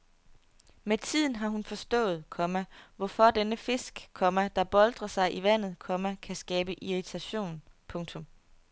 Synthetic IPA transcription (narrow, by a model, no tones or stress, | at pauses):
met͡sʰið̰ˠn̩ɦɑ̈ɦunfɒ̽sd̥ɔ̰̽ːð̞̩ˠkʰɒ̽mæʋɒfɒ̽d̥enəfe̝sɡ̥kʰːɒ̽mæd̥ɑ̈b̥ɒ̽ld̥ʁɐsɑ̈ɪʔiʋæn̰ð̩ˠkʰɒ̽mækʰæsɡ̥ɛːb̥əʔiʁit͡sʰæɕo̝̰ːnpʰɔ̽ŋt͡sʰɔ̽m